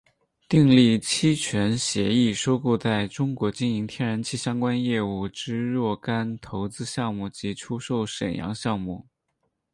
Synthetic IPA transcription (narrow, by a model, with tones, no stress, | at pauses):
t̪i˥˧ŋli˥˩t͡ɕʰi˥t͡ɕʰɥɛ˧˥nɕjɛ˧˥i˥˩ʂo˥ʊkɔ˥˧t͡sa˥˩ɪʈ͡ʂʊ˥ŋkwɔ˧˥t͡ɕi˥ni˧˥ŋt̪ʰjɛ˥nɻa˧˥nt͡ɕʰi˥˩ɕjɑ˥ŋkwa˥njɛ˥˧u˥˩ʈ͡ʂɻ̩˥ɻwɔ˥˩ka˥nt̪ʰo˧˥ʊt͡sɹ̩˥ɕjɑ˥˧ŋmu˥˩t͡ɕi˧˥ʈ͡ʂʰu˥ʂo˥˩ʊʂə˨˩njɑ̰˧˥ŋɕjɑ˥˧ŋmu˥˩